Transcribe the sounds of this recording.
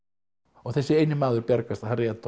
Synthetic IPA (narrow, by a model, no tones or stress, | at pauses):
ɔɣθɛsːɪeːjnɪmaːðʏɾpjaɾkast̪aharjɛt̪